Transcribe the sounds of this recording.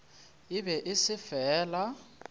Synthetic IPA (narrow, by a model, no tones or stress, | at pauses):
ɪbɛʔɪsɪfɛːla